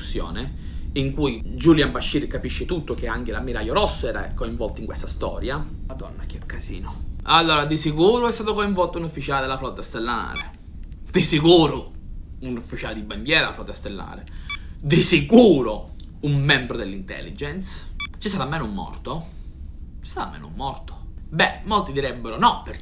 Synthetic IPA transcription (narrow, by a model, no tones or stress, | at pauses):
usːjɔ̰ːne | iŋkujd͡ʒuljambaʃːiːɾkapiʃːet̪ut̪ːokeaŋk̟elamiɾajoɾɔsːoɛːɾa̰koiɱvɔlt̪oiŋkwest̪ast̪ɔ̰ːɾjalad̪ɔ̰nːak̟ːiokːazḭːnoalːoːɾad̪isikuːɾoɛst̪aːt̪okoiɱvɔlt̪ounufːit͡ʃaːled̪elːaflɔt̪ːast̪elːa̰ɾḛ | d̪̥isikuːɾʊunufːit͡ʃaːled̪iband̪jɛːɾalaflɔt̪ːast̪elːa̰ːɾed̪isikuːɾo | umːɛmbɾod̪elːint̪ɛ̰lːid͡ʒɛnst͡ʃist̪aːt̪amːɛːnʊumːɔ̰rt̪o | t͡ʃist̪aːt̪a̰mːɛ̰no̰ṵmːɔrt̪o̥bɛmːolt̪id̪iɾɛbːeɾonɔpe